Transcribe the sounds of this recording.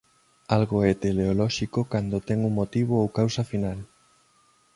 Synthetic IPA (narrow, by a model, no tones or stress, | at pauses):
alɣoɛt̪eleolɔʃikokand̪ot̪ɛŋuŋmot̪iβ̞oowkawsɐfinal